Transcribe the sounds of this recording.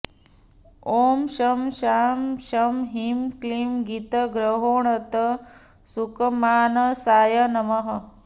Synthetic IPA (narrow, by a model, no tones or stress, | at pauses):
oːmʃɐmʃaːmʃɐmɦimklimɡit̪ɐɡɾɐɦoːɳɐt̪ɐ | sukɐmaːnɐsaːjɐnɐmɐɦɐ